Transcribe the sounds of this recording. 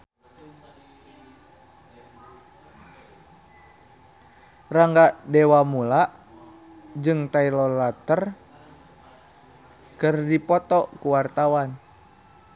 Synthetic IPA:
raŋɡadɛwamulaʔ | d͡ʒɨŋt̪ailɔlat̪ər | kɨrdipɔt̪ɔkuwart̪awan

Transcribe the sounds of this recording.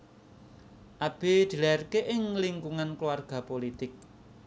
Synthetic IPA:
ʔab̥e̤d̪̥i̤larkeʔɪŋliŋkuŋankluwarɡ̥a̤polit̪ɪk̚

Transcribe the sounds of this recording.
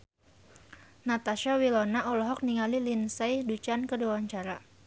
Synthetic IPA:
nat̪aʃawilɔnaʔɔlɔɦɔk̚niŋalilinsajdut͡ʃankəduawaɲt͡ʃaɾa

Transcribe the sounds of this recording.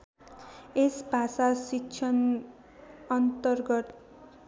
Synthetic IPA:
esbʱasasikt͡ʃʰʌn | ʌnt̪ʌrɡʌt̪

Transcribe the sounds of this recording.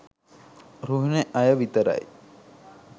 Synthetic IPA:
ɾuɦneʔɐjəʋit̪əɾa̰j

